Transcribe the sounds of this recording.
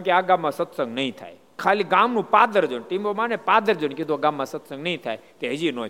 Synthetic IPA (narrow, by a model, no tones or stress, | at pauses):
keaɡãmːãsət̪sə̃ŋɡnəɦĩt̪ʰa̰ːj | kʰaːliɡamnũpaːd̪əɾd͡ʒənʈiməmanepad̪əɾd͡ʒənked̪uaɡamːãsət̪sə̃ŋɡnəɦĩt̪ʰa̰jt̪eɦəd͡ʒinõ